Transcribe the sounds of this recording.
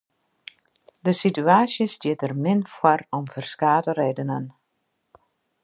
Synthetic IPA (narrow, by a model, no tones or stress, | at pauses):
dəsityaːsjəsdjɪtərmɪnfwɔrɔmfərskaːtəreːdənən